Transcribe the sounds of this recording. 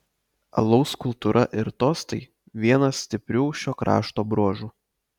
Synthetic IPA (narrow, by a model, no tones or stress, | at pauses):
ɐ̰lˠɐʊskʊlˠt̪uɾʔɐʔɪɾt̪oːst̪ɐɪ | ʋʲiɛnɐsʲt̪ʲɪpʲɾʲuːʃʲoːkɾɑ̰ːʃt̪oːbɾuɔʒuː